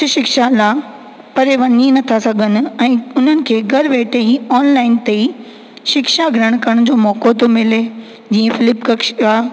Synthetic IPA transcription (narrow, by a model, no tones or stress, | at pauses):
ʊʃɪkʃala | pɐɾeʋɐninɐt̪ʰasɐɡʱənɪ̆ɛ̃ːʊn̤ənɪ̆kʰeːɡɐɾʋeːʈeiɔːnlaːɪnt̪ei | ʃɪkʃaɡʱɾəɽ̃kɐɽ̃ʊd͡ʑoːmɔːkot̪omɪle | d͡ʑĩːẽfɪlɪpkɐkʃaː